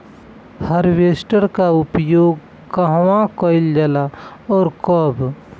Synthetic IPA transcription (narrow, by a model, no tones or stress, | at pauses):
həɾʋeːsʈəɾkaʊpjoːɡ | kəɦwãkɔɪld͡ʒəlaɔːɾkɔb